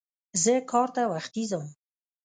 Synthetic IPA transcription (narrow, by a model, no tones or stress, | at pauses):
zəkʰɑɾt̪awaxt̪izawum